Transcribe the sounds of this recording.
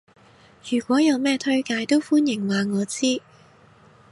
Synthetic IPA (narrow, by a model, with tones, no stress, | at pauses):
jyː˨˩kʷɔː˨˥jɐ˨˧wmɛː˥t̪ʰɵ˥ɥkaː˧jt̪o˥wfuː˥njɪ˨˩ŋwaː˨ŋɔː˨˧t͡siː˥